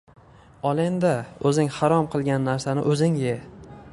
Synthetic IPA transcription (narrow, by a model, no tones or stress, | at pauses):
ɒlˠend̪aɵzɪŋhaɾɒmqʰɨlˠɡʲanːaɾsanɪ̰ʔɵzɪŋje